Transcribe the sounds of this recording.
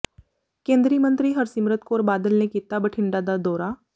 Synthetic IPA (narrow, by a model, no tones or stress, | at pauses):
kẽːnd̪ɾiːmə̃nt̪ɾiːɦəɾsɪmɾət̪̚koːɾbaːd̪əlnekit̪ːabəʈʰɪɳɖad̪ad̪ɔːɾaː